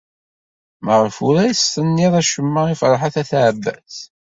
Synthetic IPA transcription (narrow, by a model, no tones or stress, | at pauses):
məʁəfʊɾæjsθənːiðˤæʃəmːəʁifɾˤħaθæθʕəbːæ̰θ